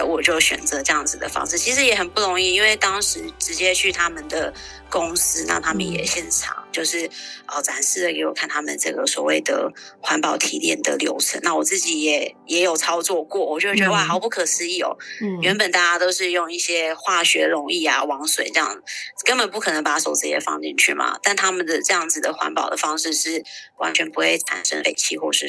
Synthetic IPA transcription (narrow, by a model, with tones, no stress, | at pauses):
wɔ˨˩t͡ɕjo˥˩ʊɕɥɛ̰˨˩nt͡sɤ˧˦ʈ͡ʂɤ˥˧jɑ˥˩ŋd͡z̩˨˩d̪ə̰˩fɑ̰˥ŋʂ̩˥˩t͡ɕʰi˧˥ʂ̬ɻ̩˧˥jɛ˨˩xə˨˩npu˥˩ɻʊ˧˥ŋi˥˩i˥nwe˥˩ɪt̪ɑ˥ŋʂɻ̩˧˥˦ʈ͡ʂɻ̩˧˥t͡ɕjɛ˥t͡ɕʰy˥˩t̪ʰa˥mə˨nd̪ə˩ | kʊ˥ŋs̩˥na̰˥˩t̪ʰa˥mə̰˨njɛ̰˨˩ɕjɛ˥˩nʈ͡ʂʰɑ̰˨˩˦ŋt͡ɕjo˥˧ʊʂɻ̩˥˩ə˥˩t͡sa˨˩˦nʂɻ̩˥˩d̪ə˨˩ke˧˥ɪwɔ˨˩kʰa˥˩nt̪ʰa˥mə̰˨nʈ͡ʂɤ̰˥˩ɡə˩swɔ̰˨˩wḛ˥˩ɪd̪ə̰˩ | xwa˧˥npɑ˨˩ʊt̪ʰi˨˥t̪jɛ̰˥˩nd̪ə̰˩ljo˧˥ʊt͡sʰə̰˧˥na˥˩wɔ˨˩t͡sɹ̩˥˩t͡ɕi˨˥jɛ˨˩˦jɛ˧˥jo˨˩ʊt͡sʰɑ˥ʊt͡swɔ˥˧kwɔ˥˩wɔ˨˩t͡ɕɥɛ˧˥d̪t͡ɕɥwa˥˩xɑ˧˥ʊpu˥˩kʰɤ˨˩sɹ̩˧˥i˥˩ɔ̰˨˩ɥɛ˧˥npə˨˩nt̪a˥˩t͡ɕa˥t̪o˥ʊʂɻ̩˥˧jʊ˥˧ŋi˥˩ɕjɛ˥xwa˥˩ɕɥɛ˧˥ɻʊ˧˥ŋi˥˩a˨wɑ˧˥ŋswe˨˩ɪʈ͡ʂɤ˥˧jɑ̰˥˩ŋ˩˨˩kə˥npə˨˩npu˥˩kʰɤ˨˩nə˧˥ŋpa˨˩˦so˨˩ʊt͡s̩˥˩t͡ɕiɛ˨˩ə˧fɑ̰˥ŋt͡ɕi˥˧nt͡ɕʰy̰˥˩ma̰˩t̪a˥˩nt̪ʰa˥mə˨nd̪ə˩ʈ͡ʂɤ˥˧jɑ˥˩ŋd͡zɹ̩˨˩d̪ə˩xwa̰˧˥npɑ˨˩ʊd̪ə˩fɑ˥ŋʂɻ̩˥˧ʂɻ̩˥˩wa̰˧˥nt͡ɕʰɥɛ˧˥npu˧˥xwe˥˩ɪt͡sʰa̰˨˩nʂə̰˥ŋlḛ˨˩ɪt͡ɕʰḭ˧˥xwɔ˥˩ʂɻ̩˥˩